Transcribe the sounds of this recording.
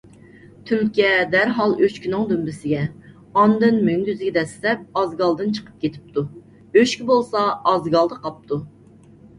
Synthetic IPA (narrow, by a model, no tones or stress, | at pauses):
t̪ʰylkʲijɛd̪ɛɾɦɑlˠøt͡ʃkʲinɪŋd̪ymbɪsɪɡʲɛ | ɑnd̪ɨnmyŋʲyzɪɡʲɛd̪ɛslɛp̚ɑzɡɑlˠd̪ɨnt͡ʃʰə̥qʰə̥p̚kʲʰet̪ʰɪ̥p̚t̪ʰu | øʃkʲibolˠsɑːzɡɑlˠd̪əqʰɑp̚t̪ʰu